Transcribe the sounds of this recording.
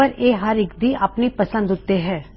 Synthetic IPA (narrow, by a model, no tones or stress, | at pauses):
əɾeːɦɐɾɪkd̪iʔɐpnipɐsə̃nd̪ɦʊt̪ːeɦɛ̃ː